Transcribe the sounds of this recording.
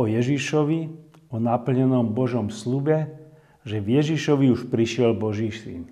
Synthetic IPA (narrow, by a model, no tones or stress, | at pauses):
ɔjɛʒiʃɔʋi | ɔnapl̩ɲɛnɔmbɔʒɔmslubɛ | ʒɛvjɛʒiʃɔʋiuʃpɾiʃɪɛlbɔʒiːsḭn